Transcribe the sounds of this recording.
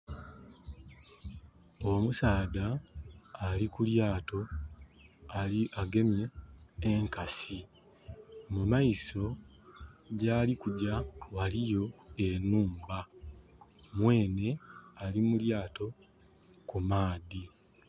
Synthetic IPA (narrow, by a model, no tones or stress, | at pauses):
o̞musaːdaː | likuljaːto̞ | aaɡe̞mjeː | ŋkasi | mumaiso̞ | ɟaːlikuɟawalijo̞e̞nuːmba | mwe̞ːne̞alimuljaːto̞ | kumaːði